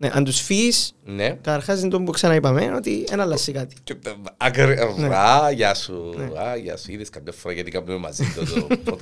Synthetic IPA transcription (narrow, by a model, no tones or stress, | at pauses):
neʔɐ̰nd̪usfisnekɐt̪ɐɾxɐzind̪ombuksɐnɐipɐmeo̞t̪ienɐlːɐsːikɐt̪i̥ɐkɾevneɾaʝɐsuneaʝɐ̰suiðiskɐmɟɐfoɾɐʝɐt̪ikɐpnumemɐ̰zit̪ot̪opo